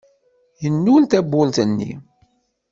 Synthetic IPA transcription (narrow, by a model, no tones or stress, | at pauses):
jənːult̪æbːʊlt̪ənːḭ